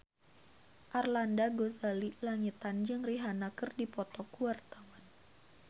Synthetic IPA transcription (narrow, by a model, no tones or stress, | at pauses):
ʔarlandaɡozalilaŋit̪and͡ʒɨŋriɦanakɨrdipɔt̪ɔkuwart̪awan